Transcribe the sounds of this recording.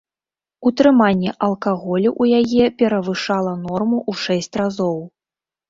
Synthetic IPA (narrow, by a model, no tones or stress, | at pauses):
ut̪ɾɨmanʲːɛʔɐlˠkaɣɔlʲuʔujajɛpʲɛɾɐvɨʂalˠɐnɔrmuʔuʂɛsʲt͡sʲrazɔw